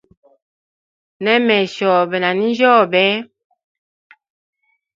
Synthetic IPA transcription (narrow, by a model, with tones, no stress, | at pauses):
nɛ˦mɛ˨ʃɔː˨bɛ˨na˨ni˦n˦d͡ʒɔː˦˨bɛ˦